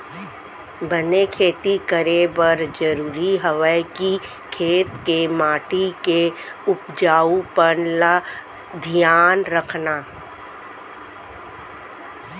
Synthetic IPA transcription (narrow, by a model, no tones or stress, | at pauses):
bənekʰeːt̪ikəɾebəɾd͡ʒəɾuːɾiɦəʋəki | kʰeːt̪kemaːʈikeʊpd͡ʒaːupənla | d̪ʱijaːnɾəkʰnaː